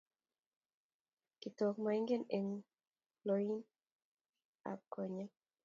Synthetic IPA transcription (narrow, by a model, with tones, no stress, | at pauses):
kɪ˨tɔ˨kmai˦ŋɡe˦ne˨ŋ | loi˦n | a̰˨p̚kɔ˨ɲa˦